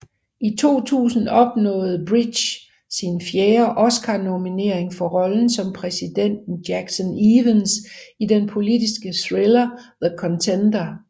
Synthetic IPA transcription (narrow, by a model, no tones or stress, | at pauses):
ʔit͡sʰo̝̰ːt͡sʰṵːsn̩ɒ̽b̥nɔ̰̽ːð̞̩ˠb̥ʁid̥ | sinfjeːɐʔɒ̽sɡ̥ʰɑ̈no̝mine̝ɐ̰e̝ŋfɒ̽ʁɒ̽ln̩sɒ̽mpʰʁɛsid̥en̰d̥n̩djæɡ̥sɔniʋənsid̥enpʰo̝lidisɡ̥əsʁelɐðəkʰɒ̽nt͡sʰend̥ɐ